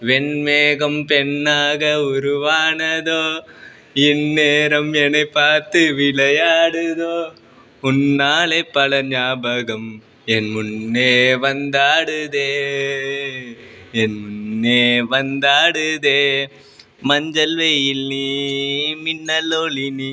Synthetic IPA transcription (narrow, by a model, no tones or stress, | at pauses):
ʋɛɳmeːɣɐmpɛnːaːɣɐʊɾuʋaːnɐðoː | ɛnːeːɾɐmɛnɐɪpaːɾt̪ɯʋɪlɐjaːɽɯðoː | ʊnːaːleːpɐɭɐɲaːbɐɣɐm | ɛnmunːeːʋɐnd̪aːɽɯd̪eː | ɛnmʊnːeʋɐnd̪aːɽɯd̪eː | mɐɲd͡ʒɐlʋejilːi | minːɐloːlini